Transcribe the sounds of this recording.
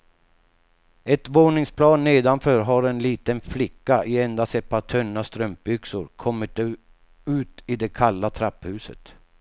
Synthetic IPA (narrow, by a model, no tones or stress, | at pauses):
ɛt̪voːɳɪŋspʰlɑːnːeːd̪anfœːɾɦaɾɛnliːt̪ənflɪkːaʔɪɛnd̪asɛt̪̚pʰːat̪ʰœnːast̪ɾœmp̚bʏksʊɾkʰɔmːɪt̪ | ʉ̟ːt̪ɪd̪ɛkʰalːat̪ʰɾapːhʉ̟ːsə̰t̪